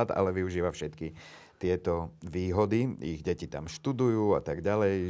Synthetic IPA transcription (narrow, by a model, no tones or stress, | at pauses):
at̪a̰lɛʋiuʒiːʋafʃɛt̪ki | t̪ɪɛt̪ɔʋiːɦɔd̪iḭɣɟɛcit̪a̰mʃt̪ud̪ujuːat̪aɡɟalɛj